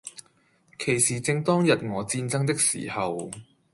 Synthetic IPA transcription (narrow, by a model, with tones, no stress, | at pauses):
kʰe˨˩jsiː˨˩t͡sɪ˧ŋt̪ɔː˥ŋjɐ˨t̚ŋɔː˨˧t͡siː˧nt͡sɐ˥ŋt̪ɪ˥k̚sḭː˨˩hɐ˨w